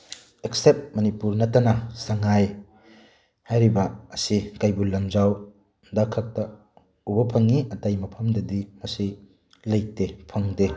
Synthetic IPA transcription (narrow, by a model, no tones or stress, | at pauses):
eksep̚mɐnipuɾnɐtːɐnɐsɐŋaj | hajɾibɐɐsikajbulɐmd͡ʒaw | dakʰɐk̚tɐ | ubɐpʰɐŋːiɐtajmɐpʰɐmdɐdimɐsi | lɐjk̚tepʰɐŋde